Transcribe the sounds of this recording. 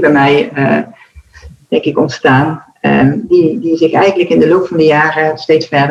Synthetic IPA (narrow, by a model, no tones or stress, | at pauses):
bɛmɛjə | d̥ɛŋkɪkɔntstaːn | ədidizɪxɛjɣəntləkɪndəlowp̚fɑndəjaːrəstejtsfɛɹdə